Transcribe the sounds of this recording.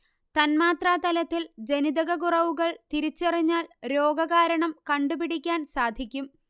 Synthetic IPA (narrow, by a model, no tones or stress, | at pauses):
t̪ɐnmaːt̪raːt̪ɐlɐt̪ːild͡ʑe̞nid̪ɐɣɐɣurɐʋuɣɐɭt̪iɾit͡ɕːɐriɲːaːlɾoːɡɐɣaːɾɐɳɐmkɐɳɖupiɽikʲːaːnsaːd̪ʱikʲːum